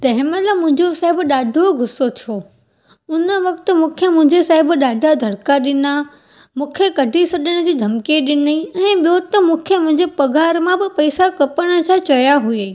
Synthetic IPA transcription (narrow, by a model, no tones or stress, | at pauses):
t̪ɐ̃ɦɪ̃mɐləmʊ̃ɦɪ̃ɲd͡ʑosaɦɪbɗaːɖʱoɡʱʊsot͡ɕʰoː | ʊnə̆ʋɐkt̪ʊ̆mũːkʰemʊ̃ɦɪ̃ɲd͡ʑesaːɦɪbɗaːɖʱad̪ʱɐɽkaɗɪna | mũːkʰekɐɖʱisɐɗəɽ̃ʊ̆d͡ʑiːd̪ʱɐmkeɗɪniɛ̃ːɓijot̪ɐmũːkʰemʊ̃ɦɪ̃ɲd͡ʑepɐɡʱaːɾmãbɪpɐisakɐpəɽ̃ə̆t͡ɕʰat͡ɕɐjaɦueː